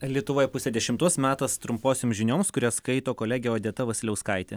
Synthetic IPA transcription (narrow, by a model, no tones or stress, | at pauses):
lʲiɛt̪ʊʋoːjɛpʊsʲeːd̪ʲɛʃʲɪmt̪uɔsmʲæːt̪ɐst̪ɾʊmpoːsʲoːmʒʲɪnʲoːmskʊɾʲɛskɐɪt̪oːkoːlʲæːɡʲjɛɐd̪ʲiɛt̪ɐʋɐsʲɪlʲɛʊskɐɪt̪ʲe